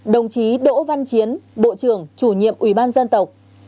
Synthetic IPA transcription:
ɗə˨˩wŋ͡mt͡ɕi˨˦ɗo̰˧˥va˧nt͡ɕi˨˦ənɓo̰˧˨t͡ɕɨ˧˩əŋt͡ɕu˧˩ɲḭ˧˨əmʔwi˧˩ɓaː˧nzə˧nt̪ə˨˩wk͡p̚

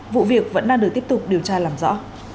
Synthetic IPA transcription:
vṵ˧˨vi˨˩ək̚və̰˧˥nɗaː˧ŋɨ˨˩t̪i˦˥p̚tʊ˨˩k͡p̚ɗi˨˩əwt͡ɕaː˧laː˨˩mzɔ̰˧˥

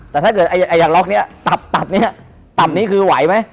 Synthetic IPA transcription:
t̪ɛː˨˩t̪ʰaː˦˥˩kɤ˨˩t̪ʔa˧ja˨˩ʔa˧jaː˨˩ŋlɔ˦˥k̚ni˦˥˨t̪a˨˩p̚t̪a˨˩p̚ni˦˥˨ | t̪a˨˩mniː˦˥kʰɯː˧wa˩˦jma˦˥j

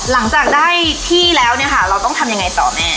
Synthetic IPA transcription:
la˩˦ŋt͡ɕaː˨˩k̚daː˥˩jt̪ʰiː˥˩lɛː˦˥wni˥˩ɐkʰa˥˩ɾa˧wt̪ɔ˥˩ŋt̪ʰa˧mja˧ŋa˧jt̪ɔ̰ː˨˩mɛː˩

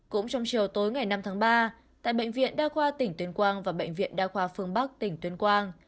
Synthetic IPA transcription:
kʊ̰˧˥ŋ͡mt͡ɕɔ˧wŋ͡mt͡ɕi˨˩əwt̪o˨˦jŋa˨˩jna˧mt̪ʰaː˨˦ŋɓaː˧ | t̪a̰ː˧˨jɓə̰˧˨jŋ̟vḭ˧˨ənɗaː˧xwaː˧t̪ï˧˩ŋ̟t̪wi˨˧ənkwaː˧nvaː˨˩ɓə̰˧˨jŋ̟vḭ˧˨ənɗaː˧xwaː˧fɨ˧əŋɓa˦˥k̚t̪ï˨˩ŋ̟t̪wi˨˧ənkwaː˧n

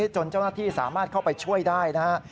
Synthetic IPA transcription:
t͡ɕo˧nt͡ɕa˥˩wnaː˥˩t̪ʰiː˥˩sa̰ː˩˦maː˥˩t̪̚kʰa˥˩wpa˧jt͡ɕʰu˥˩əjdaː˥˩jna˦˥a˥

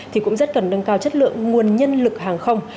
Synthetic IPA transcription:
t̪ʰi˨˩kʊ̰˧˥ŋ͡mzə˦˥t̚kə˨˩nɗə˧ŋkaː˧wt͡ɕə˦˥t̚lɨ̰˧˨əŋːu˨˩ənɲə˧nlɨ˨˩k̚haː˨˩ŋxə˧wŋ͡m

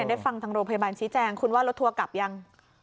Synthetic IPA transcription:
ndaː˥˩jfa˧ŋt̪ʰaː˦˧˥ɾoː˧ŋpʰa˧jaː˧baː˧nt͡ɕʰiː˦˥t͡ɕɛː˧ŋkʰu˧nwaː˥˩lo˦˥t̪ʰːu˧ɐka˨˩p̚ja˧ŋ

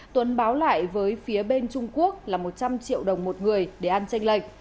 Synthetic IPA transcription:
t̪wə˨˦nɓaː˨˦wla̰ː˧˨jvəː˨˦jfi˨˦əɓe˧nt͡ɕʊ˧ŋ͡mku˦˥ək̚laː˨˩mo˨˩t̚t͡ɕa˧mt͡ɕḭ˧˨əwɗə˨˩wŋ͡mmo˨˩t̚ŋɨ˨˩əjɗe˧˩ʔa˧nt͡ɕa˧jŋ̟lə˧˩jk̚

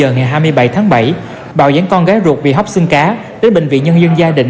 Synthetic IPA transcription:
əː˨˩ŋa˨˩jɦaː˧jmɨ˧əjɓa˧˩jt̪ʰaː˨˦ŋɓa˧˩j | ɓa̰ː˧˨wza̰ː˧˨˦ŋkɔ˧nɣaː˨˦jzu˨˩ət̚vi˨˩ɦwk͡p̚sɨ˧ŋkaː˨˦ | ɗe˨˦nɓï˧˨˩ŋ̟vḭ˧˨ɲə˧nzə˧nzaː˧ɗï˧˨ŋ

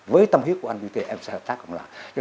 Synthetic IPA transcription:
vəː˨˦jt̪ə˧mhi˦˥kːʔa˧nɓi˧t̪e˧ʔɛ˧msɛ˧˥həː˨˩p̚t̪aː˦˥kːʊ̰˧˩ŋ͡mlaː˨˩t͡ɕɔ˧

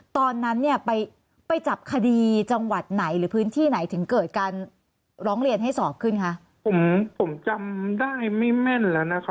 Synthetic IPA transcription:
t̪ɔː˧nːa˦˥nːi˥˩ɐpa˧j | pa˧jt͡ɕa˨˩p̚kʰa˧diː˧t͡ɕa˧ŋwa˨˩t̪̚na˩˦jɾɯː˩˦pʰɯː˦˥nt̪ʰiː˥˩na˩˦jt̪ʰɯ˩˦ŋkɤː˨˩t̪̚kaː˧n | ɾɔː˦˥ŋɾi˧ənɦa˥˩jsɔː˨˩p̚kʰɯ˥˩nkʰa˦˥ʔ | pʰo˩˦mpʰo˩˦mt͡ɕa˧mdaː˥˩jma˥˩jmɛ˥˩nlɛː˦˥na˦˥kʰa˦˥

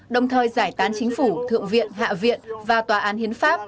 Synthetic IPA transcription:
ɗə˨˩wŋ͡mt̪ʰəː˨˩jzaː˧˩jt̪aː˨˦nt͡ɕï˨˦ŋ̟fu˧˩t̪ʰɨ̰˧˨əŋvḭ˧˨ənɦa̰ː˧˨vḭ˧˨ənvaː˨˩t̪waː˨˩ʔaː˨˦nhi˨˦ənfaː˦˥p̚

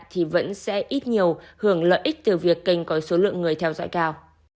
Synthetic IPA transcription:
t̪ʰi˨˩və̰˧˥nsɛ̰˧˥ʔi˦˥t̚ɲi˨˩əwhɨ˧˩əŋlə̰ː˧˨jʔi˦˥k̟̚t̪ɨ˨˩vi˨˩əkːi˧˩jŋ̟kɔ˨˦so˨˦lɨ̰˧˨əŋːɨ˨˩əjt̪ʰɛ˧wzɔ̰˧˥jkaː˧w

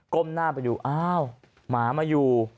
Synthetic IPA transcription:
ko˧˥˩mnaː˥˩pa˧juː˨˩ʔaː˧˥w | maː˩˦maː˧juː˨˩

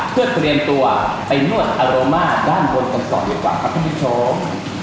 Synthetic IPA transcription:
pʰɯ˥˩t̪ɾi˧əmt̪u˧ɐ | pa˧jnu˥˩ət̪̚ʔaː˧ɾoː˧maː˥˩t̪̚daː˥˩nbo˧nk̪a˧ŋsɔ̰˨˩diː˧əkwa̰ː˨˩pʰa˦˥k̪̚ʰa˥˩pi˦˥t͡ɕʰoː˦˥

